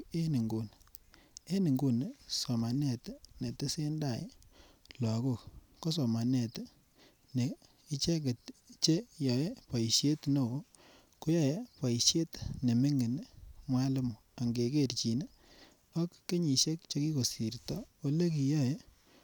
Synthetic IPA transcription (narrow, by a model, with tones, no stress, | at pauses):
e˦ni˨ŋɡo˨n | e˦ni˨ŋɡu˨nsɔ˨ma˨ne˦˨tne˨te˦se˦nda̰˦˨˦la˨ko˦˨k | ko˦s̬ɔ˨ma˨ne˨t | ne˨ | i˦t͡ʃe˦ke˨tt͡ʃe˦jɔ˨je˦pa˨ʃe˦tno˦˨o˦ | ku˦jɔ˦˨je˦pa˨ʃje˦tne˨me˦ŋe˨nmwa˦le˦m˨a˨ŋɡe˨ke˦˨rt͡ʃi˨n˦ | ɔ˦kːe˦ɲi˨ʃe˦k̚t͡ʃo˦ki˦ko˨si˨ɾtɔ˦o˦le˦ki˨jɔ˦je˦